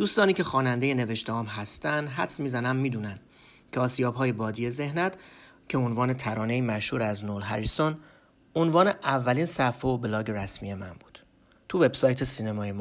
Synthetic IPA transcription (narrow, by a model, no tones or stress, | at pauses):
d̪̥uːst̪ɒːniːcʰe̞xɒːnænd̪e̞je̞ne̞ve̞ʃt̪eɒːmɦæst̪ænd̪ɦæt̪smiːzænæmːiːd̪uːnænd̪̥ | cʰeɒːsijɒːbɦɒːje̞bɒːd̪iːje̞ze̞hnæt̪ | cʰe̞onvɒːne̞t̪ʰæɾɒːne̞iːmæʃhuːɾæznolɦæɾison | onvɒːne̞ʔævːæliːnsæfeoblɒːɟeɾæsmḭje̞mæ̰nb̥uːd̪̥ | t̪ʰuve̞bsɒːjt̪ʰe̞siːnemɒːjemː